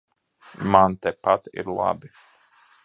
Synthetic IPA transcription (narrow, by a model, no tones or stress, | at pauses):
mant̪ɛpat̪ɪ̰ɾlˠa̰bi